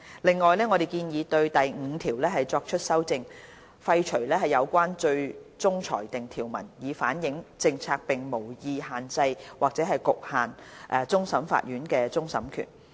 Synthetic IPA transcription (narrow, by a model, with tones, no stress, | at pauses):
lɪ˨ŋːɔː˨jlɛː˥ŋɔː˨˧ɾe˨˩jkiː˧njiː˨˧t̪ɵ˧ɥt̪ɐ˨jŋ̩ː˨˧t̪ʰiː˨˩wlɛː˥ɦɐ˨jt͡sɔː˧k̚t͡ʃʰɵ˥t̚sɐ˥wt͡sɪ˧ŋ | fɐ˧jt͡ʃʰɵ˨˩ɥlɛː˥ɦɐ˨jɐ˨˧wkʷaː˥nt͡ʃɵ˧ɥt͡sʊ˥ŋt͡ʃʰɔ̰ː˨˩jt̪ɪ˨ŋt̪ʰiː˨˩wmɐ̰˨˩njiː˨˧faː˨˥njɪ˨˧˥ŋt͡sɪ˧ŋt͡sʰaː˧k̚pɪ˨ŋmo˨˩wjiː˧haː˨nt͡sɐ˧jwaː˨k̚t͡sɛː˨˥ɦɐ˨jkʊ˨k̚haː˨˩nʔɛː˨˧t͡sʊ˥ŋsɐ˨˥mfa̰˧t̚jyː˨˥nkɛː˧t͡sʊ˥ŋsɐ˨˥mkʰy̰ː˨˩n